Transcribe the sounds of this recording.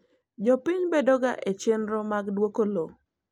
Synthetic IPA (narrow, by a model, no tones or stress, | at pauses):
d͡ʒɔpɪɲbedɔɡa̰ʔet͡ʃenɾɔmaɡdwokolo